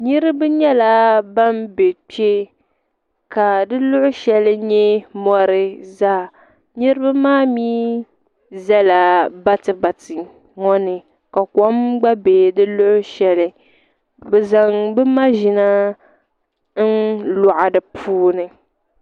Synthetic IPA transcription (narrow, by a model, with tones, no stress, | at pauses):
nɨ˦ɾɨ˦bɨ˦ɲɛ˦la˦ba˦mbe˨pi˦e˦ | ka˨dɨ˦lʊ˦ʔʊ˦ʃɛ˦lɨ˦ɲɛ˦mɔ˦ɾɨ˦zaː˦˨ | nɨ˦ɾɨ˦ba˦maː˦miː˦ | zɛ˦la˨ba˦tɨ˨ba˨tɨ˨ | ŋɔ˦nɨ˨ | ka˨kɔ˦mɡ͡ba˦be˨dɨ˦lʊ˦ʔʊ˦ʃɛ˨lɨ˨ | bɛ˨za˨ŋbɨ˦ma˦ʒɪ˨na˦ | n̩lʊ˨ʔa˨dɨ˨pʰuː˦nɨ˨